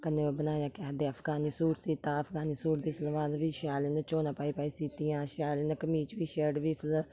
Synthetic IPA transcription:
kənebənaːjaːkɪəd̪eːəfʰɡaːniːsuːɾsiːt̪aːəpʰɡaːniːsuːɾd̪iːsəlʋaːnʋiːʃaːlenət͡ʃoːnaːpaːiːpaːiːsiːt̪ijãːʃaːlenəkəmiːt͡ʃʋiːʃeːɖʋiːpʰəl

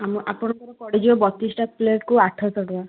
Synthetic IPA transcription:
amɔʔapɔɽ̃ɔk̪ɔɾɔpɔɽid͡ʒibɔbɔt̪isʈat̪̚pleʈkuaʈʰɔsɔɽuba

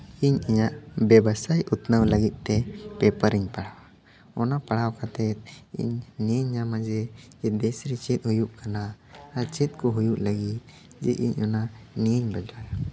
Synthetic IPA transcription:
iɲiɲaʔbɛbasajut̪nəwləɡit̪̚ˀt̪ɛpɛpəɾiɲpaɽawa | ɔnapaɽawkat̪ɛt̪̚ḭɲniəɲːamad͡ʒɛd͡ʒɛd̪ɛsɾit͡ʃɛt̪̚ˀhujuʔkanaː | ɾt͡ʃɛt̪̚kɔɦujuʔləɡit̪̚ | d͡ʒɛʔḭɲɔna | nijəɲbɛlɾaja

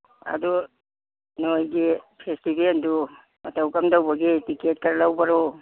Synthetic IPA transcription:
a̰dɔ | nojɡipʰestibendu | matawkamdawbaɡetiket̚kaɾlawbaɾɔ

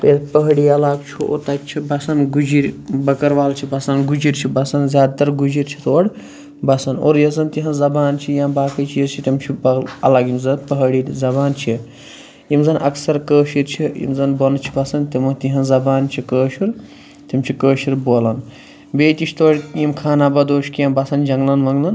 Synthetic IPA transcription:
peːlpəɦɽiɐlaːɡt͡ʃʰuo̰t̪ɐt͡ʃʰibɐsɐnɡud͡ʒiɾbɐkɐɾʋaːlt͡ʃʰibɐsɐnɡud͡ʒiɾt͡ʃʰibɐsɐnzjaːd̪t̪ɐɾɡud͡ʒiɾt͡ʃʰi̥t̪oːɽ | bɐsɐnoːɾjɐzɐnt̪iɦɐ̃nzɐbaːnt͡ʃʰijãbaːkɐt͡ʃʰijzt͡ʃʰit̪imt͡ʃʰibɐlɐɡimzɐnpəɦɽizɐbaːnt͡ʃʰi | jimzɐnʔɐksɐɾkəːʃiɾt͡ʃʰiḭmzɐnbɐnt͡ʃʰi̥bɐsɐnt̪imɐt̪iɦɐnzɐbaːnt͡ʃʰikəːʃiɾ | t̪imt͡ʃʰikəːʃiɾboːlɐn | beːt̪ʲiʃʰt̪oːɽʲjimkʰaːnabɐd̪oːʃkijɐmbɐsɐnd͡ʒɐŋɡlɐnʋɐŋɡlɐn

